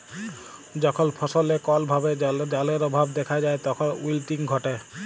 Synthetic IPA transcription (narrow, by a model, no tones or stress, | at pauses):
d͡ʒɔkʰɔnpʰɔsɔlekɔlbʱabed͡ʒd͡ʒaleɾɔbʱabd̪ɛkʰad͡ʒaet̪ɔkʰɔnwilʈiŋɡʱɔʈe